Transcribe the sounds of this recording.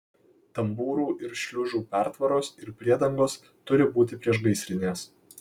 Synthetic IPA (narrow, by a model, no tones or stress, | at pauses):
t̪ɐmbuːɾuːʔɪɾʃʲlʲʊʒuːpʲæˑɾt̪ʋɐɾoːsɪɾpʲɾʲiɛd̪ɐŋɡoːs | t̪ʊɾʲɪbuːt̪ʲɪpʲɾʲiɛʃɡɐɪsʲɾʲɪnʲeːs